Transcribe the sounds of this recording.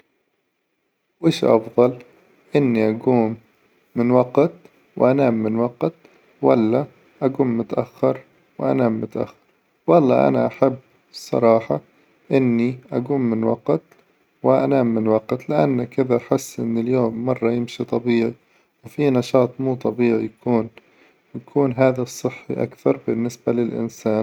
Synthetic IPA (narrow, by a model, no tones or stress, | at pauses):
weːʃʔɑ̰fðˤɑl | ʔɪnːiʔaɡuːmː | ɪnwɑqt̪ | wʔanaːmːɪnwɑqt̪ | wa̰lːa | ʔaɡuːmːʊt̪ʔa̰xːɑɾˤ | wʔa̰naːmːʊt̪ʔa̰xːɑ̥ɾˤ | wɑlˤːɑ̰ːʔa̰na̰ʔaħabː | sˤɑ̰ɾˤɑːħɑ | ʔɪnːiʔaɡuːmːɪnwɑ̰qt̪ | wɪʔa̰naːmːɪnwɑqt̪lɪʔa̰nːakɪðaħɪsːʔɪ̰nːɪljoːmːɑrˤːɑjɪmʃit̪ˤɑbiːʕi | wfinɑʃɑːt̪ˤmuːt̪ˤɑbiːʕijakʰuːn | wjakʰuːnɦaːðasˤːɨħːḭʔa̰kθɑɾˤbɪnːɪsbalɪlʔɪ̰nsaːn